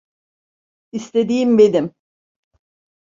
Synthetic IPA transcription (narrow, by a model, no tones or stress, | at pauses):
ist̪ʰe̞d̪iːimbe̞nim